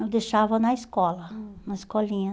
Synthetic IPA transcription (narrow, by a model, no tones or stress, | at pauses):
ewd̪eʃavɐnɐiskɔlɐnɐiskɔlĩɲɐ